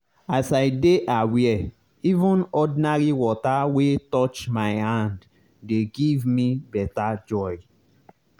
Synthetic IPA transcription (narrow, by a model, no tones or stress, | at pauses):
asaɪdeʔawɛɛ | ivũnɔdĩnaɹiwɔtawetɔt͡ʃmaɪhãnd | deɡivmibɛtad͡ʒɔj